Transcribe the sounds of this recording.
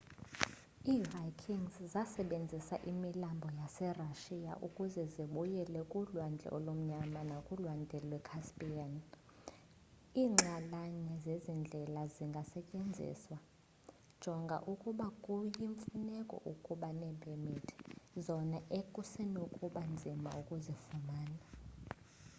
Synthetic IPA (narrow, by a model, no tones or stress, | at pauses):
iːrajkʰiŋzzasɛɓend͡zʱisaʔimilambʱɔjasɛraʃia̰ʔukʼuzɛziɓujɛlɛkʼulwand͡ɮʱɛ̰ʔɔ̰lom̩ɲamanakʼulwandʱɛlwɛkʰaspʼian | iːŋ͡ǁalaɲɛzezind͡ɮʱɛlaziŋɡʱasɛcʼend͡zʱḭswa | d̥ʒ̥ʱɔŋɡʱa̰ʔukʼuɓakʼujiɱfunɛkʼɔ̰ʔukʼuɓanɛɓʱɛmitʰzɔnaʔekʼusɛnokʼuɓand͡zʱima̰ukʼuzifumaːna